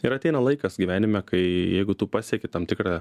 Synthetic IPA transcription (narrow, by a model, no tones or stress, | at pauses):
ɪɾɐt̪ʲɛɪnɐlˠɐɪkɐsɡʲiʋʲæːnʲɪmʲɛkɐɪjɛɪɡʊt̪uːpɑːsʲɛkʲɪt̪ɐmt̪ʲɪkɾɑ